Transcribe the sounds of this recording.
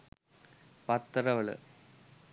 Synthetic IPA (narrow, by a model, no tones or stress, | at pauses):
pɐt̪ːrɐʋɐɭɨ̰